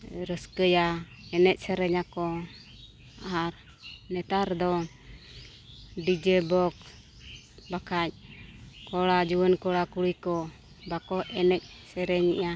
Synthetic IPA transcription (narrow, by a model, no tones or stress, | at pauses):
ɾəskəja | ɛnɛc̚ˀsɛɾɛɲakɔ | aaɾ | nɛt̪aɾd̪ɔ | ɖid͡ʒɛbɔk | bakʰac̚kɔɽad͡ʒuwənkɔɽakuɽijkɔ | bakɔʔɛnɛc̚sɛɾɛɲḭʔa